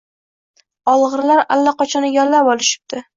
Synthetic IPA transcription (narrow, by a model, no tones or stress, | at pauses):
ɒlˠʁɨɾlaɾa̰lːaqɒt͡ʃʰɒnɪɡʲɒlːapɒlɪʃɪ̥p̚d̪̥ɪ